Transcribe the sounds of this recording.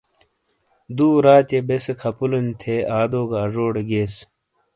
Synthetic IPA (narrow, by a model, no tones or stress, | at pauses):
d̪uːɾaːt̪ebesekʰɐpulɐnt̪ʰeaːd̪oːɡɐːʐoːɽeɡeːs